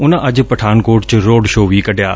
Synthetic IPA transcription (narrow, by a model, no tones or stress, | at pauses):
ʊnəʔɐd͡ʑʊ̆pɐʈʰaːnkoːʈt͡ɕɪɾoːɖʃoːʋikɐɖʱija̰ː